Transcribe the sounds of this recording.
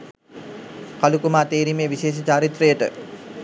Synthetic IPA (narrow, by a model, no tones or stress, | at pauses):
kalukumaːt̪eːɾimejʋiʃeːʃ̬ət͡ʃaːɾit̪rəjəʈə̰